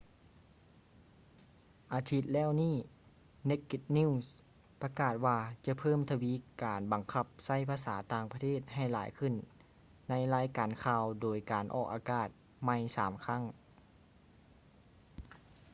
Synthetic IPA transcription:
ʔaː˨˩t̪ʰi˧˥t̪̚lɛː˧˥˩wniː˥˩ | ne˧˥kːi˧t̪̚niː˧˥˨s | pa˧kaː˨˩t̪̚waː˧t͡ɕa˧pʰɤː˥˨mt̪ʰa˧wiː˧˥˨kaː˨˩nba˨ŋkʰa˧p̚sa˥˩jpʰaː˧saː˩˦t̪aː˧˩ŋpʰa˧t̪ʰeː˥˩t̪̚ha˧˩jlaː˨˦jkʰɯ˧˩˨nː | a˧˥jlaː˧˥jkaː˨˩nkʰaː˧wdoː˨˩jkaː˨˩nʔɔ̰ː˧˩k̚ʔaː˨˩kaː˧˩t̪̚ | ma˧˩jsaː˩˦mkʰa˧˥˨ŋ

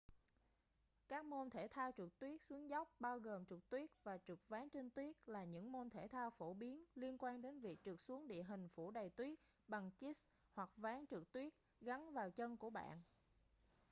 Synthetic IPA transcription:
kaː˦˥k̚mo˧nt̪ʰe˧˩t̪ʰaː˧wt͡ɕɨ˨˩k̚t̪wi˦˥ək̚swi˨˦əŋza˦˥wk͡p̚ɓaː˧wɣəː˨˩mt͡ɕɨ˨˩k̚t̪wi˦˥ət̚vaː˨˩t͡ɕɨ˨˩k̚vaː˨˦ŋt͡ɕe˧ŋt̪wi˦˥ət̚laː˨˩ɲɨ̰˧˥ŋmo˧nt̪ʰe˧˩t̪ʰaː˧wfo˧˩ɓi˨˦ənli˧ənkwaː˧nɗe˨˦nvi˨˩ək̚t͡ɕɨ˨˩k̚su˨˦əŋɗḭ˧˨əɦï˨˩ŋ̟fu˧˩ɗə˨˩jt̪wi˦˥ət̚ | ɓa˨˩ŋki˦˥s | hwa˨˩k̚vaː˨˦ŋt͡ɕɨ˨˩k̚t̪wi˦˥ət̚ | ɣa˨˦nvaː˨˩wt͡ɕə˧nku˧˩əɓa̰ː˧˨nʔ

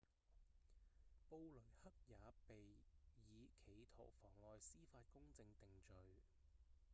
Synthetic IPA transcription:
po˧wlɵ˨˩ɥhɐ˥k̚jaː˨˧pe˨jjiː˨˧kʰe˨˩jt̪ʰo̰˨˩wfɔː˨˩ŋlɔː˨˧jsiː˥faː˧t̚kʊ˥ŋt͡sɪ˧ŋt̪ɪ˨ŋt͡ʃɵ˨ɥ

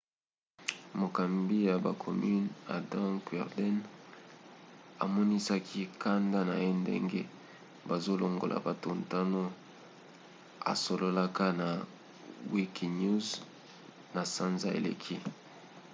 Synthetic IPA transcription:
mo˨ka˨mbi˦ja˨ba˨kʰo˨my˦na̰˨dã˦kwɛ̰˨ʁdɛ˦n | a̰˨mɔ˦ni˦sa˦kʰi˦kʰa˦nda˦na˨je˦ndḛ˦ŋɡḛ˦ | ba˨zo˦lo˨ŋɡo̰˨la̰˨ba˨to˨nta˦no˦ | a̰˨so˨lo˦la˦ka˦na˨ | wi˦ki˨nu˦z | na˨sa˦nza˨ḛ˨lḛ˨kʰi˦

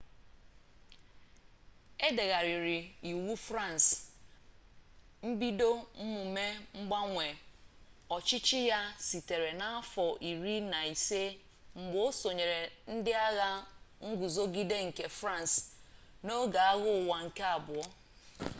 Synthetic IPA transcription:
e˦de˨ɣa˨ɾi˨ɾi˨i˨wu˦fɾa˦˨n˨s | m̩˦bi˦do˦m̩˦mʊ˨me˦ŋ͡m̩˦ɡ͡ba˦ŋʷe˨ | ɔ˨t͡ʃɪ˦t͡ʃɪ˦ja˦si˨te˨ɾe˨na˦a˦fɔ˨ʔi˨ɾi˦na˨i˨se˦ | ŋ͡m̩˨ɡ͡bo˦so˨ɲe˨ɾe˨n̩˦dɪ˦a˦ɣa˦ŋ̩˦ɡu˨zo˦ɡi˦de˦ŋ̩˨ke˨fɾa˦˨n˨s | no˦ɡa˨a˦ɣʊ˦˨wa˨ŋ̩˨ke˦a˨bʊ˨ɔ˦

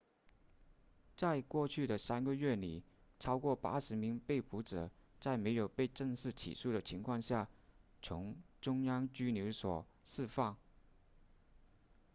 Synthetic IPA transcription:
t͡sa˥˧ɪkwɔ˥˧t͡ɕʰy˥˩d̪ə˩sa˥nɡə˧ɥɛ˥˩li˨˩ʈ͡ʂʰɑ˥ʊkwɔ˥˩pa̰˥ʂɻ̩˧˥mi˧˥ŋpe˥˩ɪpu˧˥ʈ͡ʂɤ̰˨˩˦t͡sa˥˩ɪme˧˥ɪjo˨˩ʊpe˥˧ɪʈ͡ʂɤ˥˧ŋʂɻ̩˥˩t͡ɕʰḭ˨˩ʂu˥˩d̪ə˩t͡ɕʰi˧˥ŋkʰwɑ˥˧ŋɕja˥˩t͡sʰʊ˧˥ŋʈ͡ʂʊ˥ŋjɑ˥ŋt͡ɕy˥njo˧˥ʊswɔ˨˩ʂɹ̩˥˧fɑ˥˩ŋ

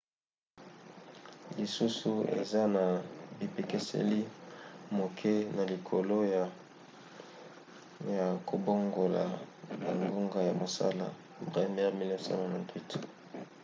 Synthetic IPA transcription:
li˨su˦su˦ḛ˨za˦na˨bi˨pe˨ke˦sḛ˦li˦mo˨kʰɛ˦na˨li˨kʰo˨lo˦ | ja˨kʰo˨bo˦ŋɡo˨la̰˨ba˨ŋɡo˦ŋɡa˦ja˨mo˨sa̰˦la̰˨ | bʁi˦mɛ˦ʁmi˦lɛ˦sɔ̰̃˦ã˨nɛ̃˨ntwi˦t

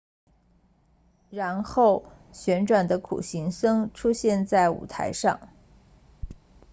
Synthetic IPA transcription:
ɻa˧˥nxo˥˩ʊ | ɕɥɛ˧˥nʈ͡ʂwa˨˩nd̪ə˦kʰṵ˨˩ɕi˧˥ŋsɤ˥ŋʈ͡ʂʰu˥ɕjɛ˥˧nt͡sa˥˩ɪṵ˨˩t̪ʰa̰˧˥ɪʂɑ̰˥˩ŋ

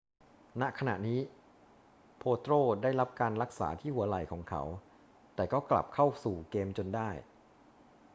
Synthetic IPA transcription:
na˦˥kʰa˧na̰˨˩ʔniː˦˥ | pʰoː˧t̪ɾoː˥˩daː˥˩jɾa˦˥p̚kaː˧nɾa˦˥k̚sa̰ː˩˦t̪ʰiː˥˩hu˩˦ɐla˨˩jkʰɔː˩˦ŋkʰa̰˦˥w | t̪ɛː˨˩kɔː˥˩kla̰˨˩p̚kʰa˥˩wsuː˨˩keː˧mt͡ɕo˧ndaː˥˩j

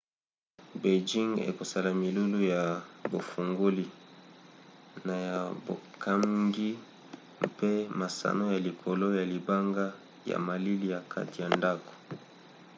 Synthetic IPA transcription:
be˨d͡ʒi˦ŋḛ˨ko˨sa˦la˨mi˨lu˦lu˦ja˨bo˨fu˨ŋɡo˦li˦ | na˨ja˨bo˨kʰa˦ŋɡi˦ | mpe˦ma˨sa̰˨no˦ja˨li˨kʰo˨lo˦ja˨li˨ba˦ŋɡa˦ | ja̰˨ma˨li˦li˦ja˨kʰa̰˦ti˨ja˨nda˦ko̥˨

